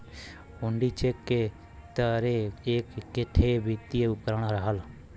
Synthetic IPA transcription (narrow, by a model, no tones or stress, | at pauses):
ʊɳɖiːt͡ʃekːeː | t̪əɾeeːkkːɪʈʰeːbit̪ieʊkɾaɳaɾaɦəl